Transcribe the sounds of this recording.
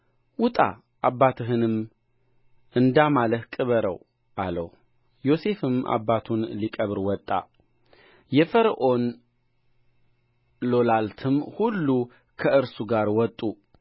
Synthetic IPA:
wʊt̪ʼa̰ | ʔabːat̪ʰɨɦɨnɨm | ʔɨnd̪amalət̪kʼɨβəɾə̰w | ʔalə̰h | jo̞se̞fɨmʔa̰bːat̪ʰunlikʼəβɾwɔt̪ʼːa̰ | jɛfəɾʔon | lo̞lalt̪ʰɨmhulːu | kʰəʔɨɾsuɡaɾwɔt̪ʼːu

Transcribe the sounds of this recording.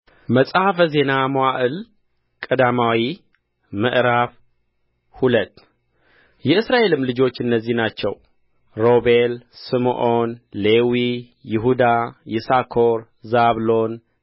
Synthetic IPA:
məsʼaafəze̞namowaʔɨl | kʼəd̪amawi | mə̰ʔɾaf | hulət̪ː | jɛɨsɾaʔe̞lɨmlɨd͡ʒo̞t͡ʃːɨnːəzːihnat͡ʃːɛw | ɾo̞belsɨmʔonlewi | jɪɦud̪ajɪsakʰoɾ | zaβlo̞n

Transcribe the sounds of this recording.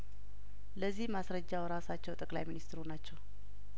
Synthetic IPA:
ləzːihmasɾəd͡ʒːawɾasat͡ʃːɛwt̪ʼəkʼla̰jminist̪ʰɾunat͡ʃːɛw

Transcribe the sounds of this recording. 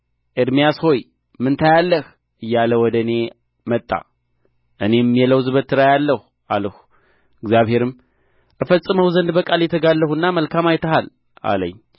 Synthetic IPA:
ʔɨd̪mijasho̞j | mɨnt̪ʰajalːəh | ʔɨjːaləwɔd̪əne̞ | mət̪ʼːa̰ | ʔɨne̞mːijɛləwzɨβət̪ːɨɾajalːəhu | ʔaləhu | ɨɡzjaβhe̞ɾɨm | ʔɨfəsʼːɨməwzənd̪bəkʼaljɛt̪ʰəɡalːəhunːaməlkʰamajt̪ʰəhal | ʔa̰lə̰ɲː

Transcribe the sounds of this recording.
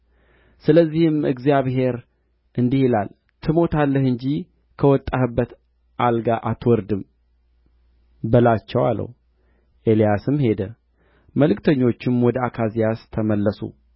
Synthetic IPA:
sɨləzːihɪmɨɡzijaβɦe̞ɾ | ʔɨnd̪ihilal | t̪ʰɨmo̞t̪ʰalːəhɨɲd͡ʒi | kʰəwɔt̪ʼːahɨbːət̪ | ʔalɡaʔat̪wɔɾd̪ɨm | bəlat͡ʃːɛwa̰lːə̰w | ʔe̞lijasɨmhe̞d̪ə | məlɨkt̪ʰəɲːo̞t͡ʃːɪmwɔd̪əakʰazijast̪ʰəməlːəsṵ

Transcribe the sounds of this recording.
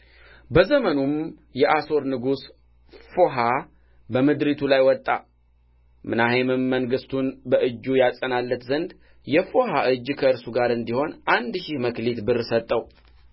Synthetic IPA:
bəzəmənum | jɛʔaso̞ɾnɨɡus | fo̞ɦa | bəmɨd̪ɾit̪ʰulajwɔt̪ʼːa | mɨnahemɨmːəŋɡɨst̪ʰunbəʔɨd͡ʒːujasʼənalːət̪zənd̪ | jɛfo̞ɦaʔɨd͡ʒːkʰəɨɾsuɡaɾɨnd̪iho̞nʔand̪ʃɪhməklit̪bɨrɨsət̪ʼːəw

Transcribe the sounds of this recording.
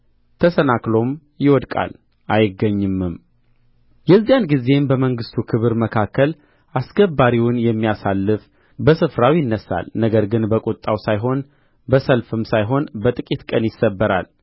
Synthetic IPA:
t̪ʰəsənaklo̞m | jɪwɔd̪kʼa̰l | ʔajɪɡːəɲːɨmːɨm | jɛzːijanɡize̞mbəməŋɡɨst̪ʰukʰɨβɨɾməkʰakːəl | ʔasɡəbaɾiwʊnjɛmːijasalːɨf | bəsɨfɾawjɪnːəsa̰lnəɡəɾɡɨnbəkʼut̪ʼːawsajɦo̞n | bəsəlfɨmsajɦo̞nbət̪ʼɨkʼit̪kʼənjɪsəbːəɾa̰l

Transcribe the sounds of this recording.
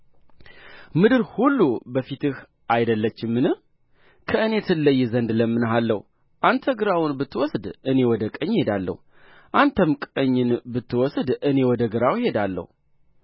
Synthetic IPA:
mɨd̪ɨɾhulːubəfit̪ɨh | ʔajd̪əlːət͡ʃːɪmːɨnɨ | kʰəɨne̞t̪ʰɨlːəjːzənd̪ləmːɨnɦalːəh | ʔant̪ʰəɡɨɾawʊnbɨt̪ʰːɨwɔsd̪ɨne̞wɔd̪əkʼəɲːhe̞d̪alːə̰hu | ʔant̪ʰəmkʼəɲːɨnbɨt̪ʰːɨwɔsd̪ɨne̞wɔd̪əɡɨɾawhe̞d̪alːə̰hu

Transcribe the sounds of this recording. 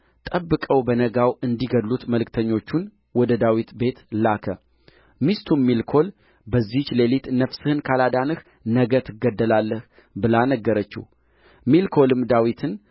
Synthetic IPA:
t̪ʼəbːɨkʼəwbənəɡawɨnd̪iɡəd̪lut̪məlɨkt̪ʰəɲːo̞t͡ʃːun | wɔd̪əd̪awit̪be̞t̪lakʰə | mist̪ʰumilkʰo̞l | bəzːiht͡ʃːle̞lit̪nəfsɨhɨnkʰalad̪anɨh | nəɡət̪ʰɨɡːəd̪ːəlalːəh | bɨlanəɡːəɾət͡ʃːḭh | milkʰo̞lɨmd̪awit̪ʰɨn

